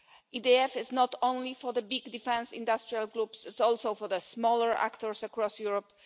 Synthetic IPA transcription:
idiɛfɪznɔt̪ʰõnlifɔðəbiɡd̪ifɛ̃nsḭ̃nd̪ast̪ɹialɡɾupsɪtsɔlsoʊfɔɹðəsmɔləɹʔa̰kt̪ɔɹsakɹɔsjuɹɔp

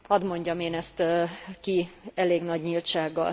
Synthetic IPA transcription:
hɒd̪mo̞ɲɟɒmeːnɛst̪kiɛleːɡnɒɟɲilt̪ʃaːɡːɒ̰l

